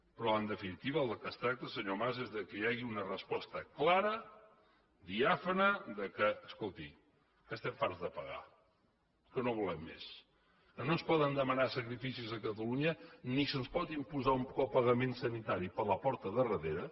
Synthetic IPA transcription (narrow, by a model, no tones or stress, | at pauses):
pɾɔənd̪əfinit̪iβəlˠəkəst̪ɾak̚t̪əsəɲomazezðəkəjaɣiunərəspɔst̪əklaɾə | d̪iafənəðəkəːskolˠt̪ḭ | kəst̪ɛɱfaɾzðəpəɣa̰ | kənoβulɛmːḛs | kənoənspɔðənd̪əmənasəkɾifisizəkət̪əluɲənisənspɔt̪impuzaumpkɔpəɣəmensənit̪aɾipələpɔɾt̪əðərəðeɾə